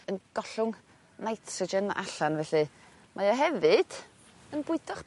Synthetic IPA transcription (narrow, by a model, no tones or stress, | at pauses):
ənɡ̥ɔɬʊŋ | najtʰsɔd͡ʒɛna̰ʔaɬanvɛɬɨ | mʔajɔɦɛvɨd̥ | ənbʊɨdɔχ